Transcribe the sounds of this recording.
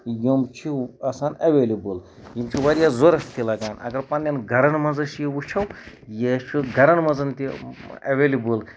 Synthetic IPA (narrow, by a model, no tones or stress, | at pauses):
jomt͡ʃʰiɐsaːnɐʋeːlibɨl | jimt͡ʃʰiʋɐɾijazoɾɐst̪ʰilɐɡaːnɐ̰ɡɐɾpɐnʲɐnɡʱɐɾɐnmɐzɐʃjiwut͡ʃʰɐw | jet͡ʃʰuɡʱɐɾɐnmɐzɐnt̪iɐ̰ʋelibɨl